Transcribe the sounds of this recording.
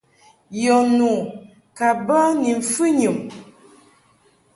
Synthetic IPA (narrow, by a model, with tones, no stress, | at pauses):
jɔ˨nu˨ | ka˨ba˦ni˨ɱ˨fɨ˦ɲɨ˨m